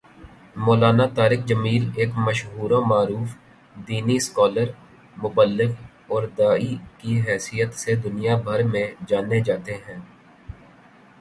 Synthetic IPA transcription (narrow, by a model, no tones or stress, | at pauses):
moːlaːnat̪aːɾɪk̚d͡ʒəmiːleːkməʃɦuːɾõmaːɾuːf | d̪iːniskɔːləɾ | mʊbəlːɪk | ɔːɾd̪aːikiɦɛːsijət̪sed̪ʊnijabʱɐɾmẽd͡ʒaːned͡ʒaːt̪eɦɛ̃ː